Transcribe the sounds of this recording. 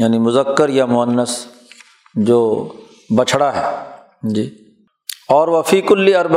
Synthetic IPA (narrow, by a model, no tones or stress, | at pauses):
jaːnimʊzəkːəɾjamʊənːəs | d͡ʒoː | bɐt͡ʃʰɽaɦɛː | d͡ʒiː | ɔːɾʋɐfiːkʊlːiɐɾb